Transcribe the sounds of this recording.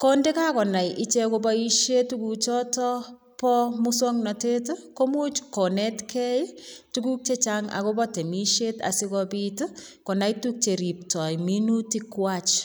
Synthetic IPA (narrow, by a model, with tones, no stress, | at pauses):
kɔnde˦ka˦kɔ˨na˨jʔi˦t͡ʃe˦kobɔ˦iʃe˦tu˦kut͡ʃɔ˦tɔ˦ | pɔmuswɔ˦ŋnɔ˨te˦tkomu˦t͡ʃko˨ne˦tkʰɛ˦jtuku˦k̚t͡ʃe˦t͡ʃaŋa̰˨kobɔ˦te˨mi˦ʃeta̰˨sɪ˦kɔpit | kɔ˨na˨jtuk̚t͡ʃe˨ɾi˨p̚tɔ˨jminutikwat͡ʃ